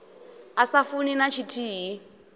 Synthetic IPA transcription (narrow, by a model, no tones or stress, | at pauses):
asafuninat͡ʃʰitʰiːɦi